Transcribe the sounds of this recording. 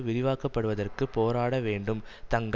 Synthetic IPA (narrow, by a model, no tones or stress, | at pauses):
ʋɪɾɪʋaːkɐpːɐɽɯʋɐðɐrkɯpoːɾaːɽɐʋeːɳɖɯmt̪ɐŋɡɐ